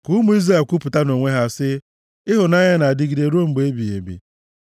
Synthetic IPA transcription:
ku˦mʊ˦i˦za˦˨ku˦pʊ˨ta˦no˨ŋʷe˦ɦa˨sɪ˦ | ɪ˦ɦʊ˨na˦ɲa˦na˨a˨dɪ˦ɡi˨de˨ɾo˦m̩˨ɡ͡be˦bi˨ḛ˨bḭ˨

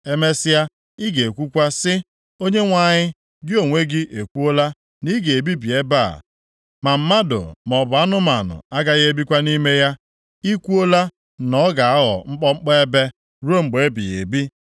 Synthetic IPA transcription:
e˦me˦sɪ˦ja˦ | i˦ɡe˨e˨kʷu˦kʷa˦sɪ˦ | o˦ɲe˦ŋʷa˦˨ɲɪ˦ | ɡɪ˦o˨ŋʷe˦ɡɪ˦ʔe˨kʷu˦o˦la˦ | ni˦ɡe˨bi˦bi˨e˦ba̰˦˨ | ma˨m̩˦ma˦do̰˨m˨ɔ˨bʊ˨a˦nʊ˦ma˨nʊ̰˨a˦ɡa˦ɣe˦bi˦kʷa˦ni˦me˦ja˦ | i˦kʷu˦o˦la˦ | nɔ˦ɡa˨a˦ɦɔ̰˨ŋ͡m̩˦k͡pɔ˦ŋ͡m̩˦k͡pe˦e˦be˦ | ɾu˦o˦ŋ͡m̩˨ɡ͡be˨e˦bḭ˨jḛ˨bi˦

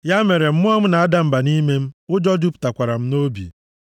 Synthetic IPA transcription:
ja˦me˨ɾe˨m̩˦mʊ˦ɔ˦ŋʊ˦na˨a˦da˦m̩˨ba˨ni˦me˦m̩˦ʊ˦d͡ʒɔ˦d͡ʒu˦pta˨kʷa˨ɾa˨m̩˦no˦bḭ˨

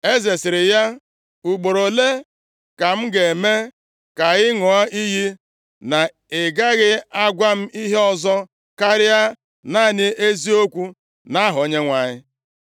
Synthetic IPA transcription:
e˦ze˨sɪ˨ɾɪ˨ja˦ | u˨ɡ͡bo˨ɾo˨le˦ | ka˨m̩˦ɡe˨me˦ | ka˨ɣɪ˦ŋɔ˨ɔ˦i˦ɦi˦ | na˨ | ɪ˨ɡa˦ɣɪ˦a˦ɡʷa˦m̩˦i˦ɦe˦ɔ˨zɔ˦ | ka˦ɾja˦ | na˦˨ɲɪ˦e˦zi˦o˦kʷu˦ | na˦ɦʊ˨o˦ɲe˦ŋʷa˨ɲɪ˦

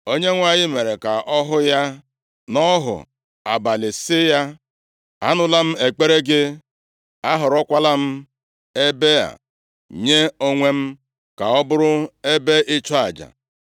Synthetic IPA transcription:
o˦ɲe˦ŋʷa˨ɲɪ˦me˨ɾe˨ka˨ʔɔ˦ɦʊ˦ja˦ | nɔ˦ɦʊ̰˨ | a̰˨ba˨lɪ˨sɪ˦ja˦ | a̰˦nʊ˨la˦m̩˦e˨k͡pe˦ɾe˦ɡe˦ | a˦ɦʊ˨ɾɔ˦kʷa˦la˦m̩˦ | e˦be˦a̰˨ | ɲe˦o˦ŋʷe˦m̩˦ | ka˨ɔ˦bʊ˦ɾʊ˦e˦be˦ʔɪ˦t͡ʃɔ˦a˨d͡ʒa̰˨

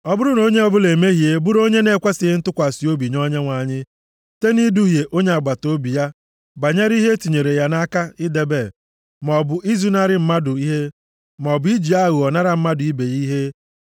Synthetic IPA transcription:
ɔ˦bʊ˦ɾʊ˦no˦ɲe˦ɔ˨bʊ˦le˨me˦ɦje˦bʊ˦ɾo˦ɲe˦ne˦kʷa˦sɪ˨ɪ˦n̩˦tʊ˦kʷa˨si˨o˦bi˨ɲo˦ɲe˦ŋʷa˨ɲɪ˦ | te˦ni˦du˦ɦje˨ʔo˦ɲe˦a˨ɡ͡ba˨to˦bi˨ja˦ | ba˨ɲe˦ɾi˦ɦe˦ti˨ɲe˨ɾe˨ja˦na˦ka˦ɪ˦de˨be˨ | m˨ɔ˨bʊ˨ʔi˦zu˦na˦ɾɪ˦m̩˦ma˦dʊ˨i˦ɦe˦ | mɔ˨bʊ˨˦i˦d͡ʒi˨a˦ɣu˨ɔ˨na˦ɾa˨m̩˦ma˦dʊ˨i˦be˨ɣi˦ɦe˦

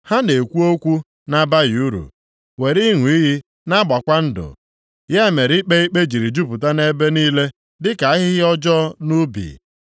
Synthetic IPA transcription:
ha˦ne˨kʷu˦o˦kʷu˦ | na˦ba˦ɣi˨u˦ɾṵ˨ | we˨ɾi˦ŋʷʊ˨i˦ɦi˦ | na˦ɡ͡ba˨kʷa˦n̩˦dʊ̰˨ | ja˦˨me˨ɾi˦k͡pe˦i˦k͡pe˦d͡ʒi˨ɾi˨d͡ʒu˦pʊ˨ta˦ne˦be˦niː˦le˦ | dɪ˦ka˨a˦ɦɪ˦ɦɪ˦ɔ˦d͡ʒɔ˦nu˦bḭ˨

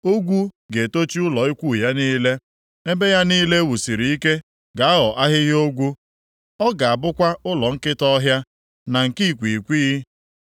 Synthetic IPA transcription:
o˦ɡʷu˦ | ɡe˨to˦t͡ʃi˦ʊ˦lɔ˨i˦kʷu˦˨ja˦niː˦le˦ | e˦be˦ja˦niː˦le˦wu˨si˨ɾi˨i˦ke˦ | ɡa˨a˦ɣɔ˨ʔa˦ɦɪ˦ɦo˦ɡʷu˦ | ɔ˦ɡa˨a˨bʊ˦kʷa˦ʊ˦lɔ˨ŋ̩˦kɪ˦tɔ˦ɦja˦ | na˨ŋ̩˨ki˦˨kʷi˨kʷi˦

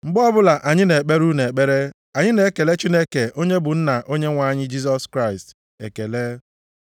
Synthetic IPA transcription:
ŋ͡m̩˨ɡ͡bɔ˦bʊ˦la˨ʔa˨ɲɪ˦ne˨k͡pe˦ɾu˦ne˨e˨k͡pe˦ɾe˦ | a˨ɲɪ˦ne˨˦ke˨le˦t͡ʃi˦ne˦ke˨ʔo˦ɲe˦bʊ˨n̩˦na˨ʔo˦ɲe˦ŋʷa˦˨ɲɪ˦d͡ʒi˦s̬ɔ˦skɾa˦˨ɪi˨st | e˨ke˨le˦

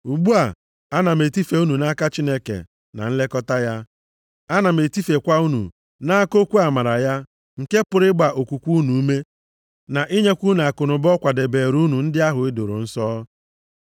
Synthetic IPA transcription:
u˨ɡ͡bu˦a˨ | a˦na˨me˨ti˦fe˨u˦nu˨na˦ka˦t͡ʃi˦ne˦kḛ˨ | na̰˨n̩˦le˦kɔ˦ta˦ja˦ | a˦na˨me˨ti˦fe˨kʷa˦u˦nṵ˨ | na˦ko˦kʷu˦a˨ma˨ɾa˨ja˦ | ŋ̩˨ke˦pʊ˨ɾɪ˦ɡ͡ba˨ʔo˨kʷu˨kʷu˦nu˨u˦me˦ | na˨ʔi˦ɲe˦kʷu˦n˨a˨kʊ˨nʊ˨bɔ˦kʷa˨de˨be˨ɾu˦nu˨n̩˦dɪ˦a˦ɦʊ˨ɪ˦dʊ˨ɾʊ̰˨n̩˦sɔː˦

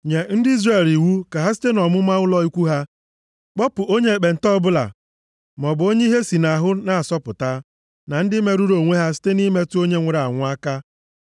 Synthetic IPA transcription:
ɲe˨n̩˦dɪ˦i˦zre˨li˨wu˦ka˨ɦa˦si̥˦te˦nɔ˨mʊ˦ma˦ʊ˦lɔ˦i˦kʷu˦ɦa˦ | k͡pɔ˦pʊ˨o˦ɲe˦˨k͡pe˨n̩˨tɔ˦bʊ˦la̰˨ | m˨ɔ˨bʊ˨˦o˦ɲe˦i˦ɦe˦si˨na˨ɦʊ˦na˨a˨sɔ˦pʊ̰˨ta˦ | na˨n̩˦dɪ˦me˦ɾu˦ɾo˨ŋʷe˦ɦa˦s̬i̥˦te˦ni˦me˦tʊ˦o˦ɲe˦ŋʷe˨ɾa˨ŋʷʊ˦a˦ka˦

